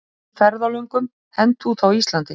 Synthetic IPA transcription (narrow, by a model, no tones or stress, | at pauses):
fɛɾðalœŋkʏm | hɛnt̪uθawist̪lant̪ɪ